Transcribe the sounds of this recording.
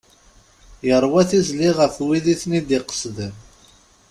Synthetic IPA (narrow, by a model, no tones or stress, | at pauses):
jəɾˤwæθizliʁəfwiðiθnid̪iqə̥sðəm